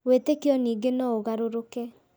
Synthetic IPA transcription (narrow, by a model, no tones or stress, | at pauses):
wetekeɔniːɡenɔoɣaɾoɾokɛ